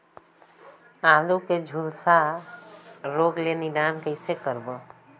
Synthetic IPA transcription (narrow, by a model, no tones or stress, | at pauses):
aluked͡ʒʱulsa | ɾoɡlenid̪ankəɪsekəɾbə